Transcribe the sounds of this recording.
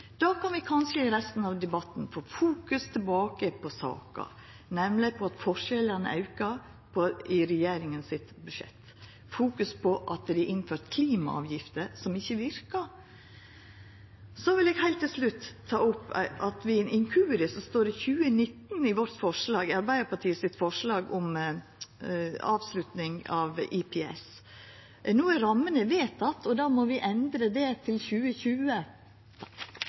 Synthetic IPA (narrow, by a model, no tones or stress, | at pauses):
d̪̥ɑːkʰɑnʋɪkʰɑnʂəɪɾɛst̪n̩ɑʋd̪ɛbɑt̪ːnfoːfuːkʉst̪ʰɛlbɑːkəpʰɔsɑ̰ːkɑ̰ | nɛmlɪpʰɔɑt̪fɔʂɛlənə̰ɑʉkɑɾ | pʰɔɪɾɛjeːɾɪŋənsɪt̪bʉʂɛ̰t̪ː | fuːkʉspʰɔʔɑt̪d̪ɪʔɪnføːɾt̪kʰliːmɑ̰ɑ̰ːʋjɪft̪əsɔmɪçːəʋɪɾkɑ | sɔʋɪlɛːɡhæɪlt̪ːɪlslʉt̪ʰːɑːʊpːʔɑt̪ʋɪɛnɪŋkʰʉːɾɪsɔst̪oːɾɪçʉːənɪt̪n̩ɪʋɔɾt̪fɔʂlɑːɡɪɑɾbæɪd̪əɾpʰɑʈʰiːəsɪt̪ːfɔʂɭɑːɡɔm | ɑːʋslʉt̪nɪŋɑʋɪpʰɛɛ̰s | nuːəɾɑmːənəʋeːt̪ɑt̪ʰɔd̪ɑːmɔʋɪʔɛnd̪ɾəd̪ɛt̪ʰɪlçʉːəçʉːə